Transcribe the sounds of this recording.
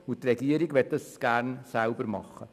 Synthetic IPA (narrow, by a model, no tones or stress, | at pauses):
ʊt̪rɛɡiəɾiɡʋɛt̚dɑsɡ̥æːɾnsæʊbəɾmɑ̰χːə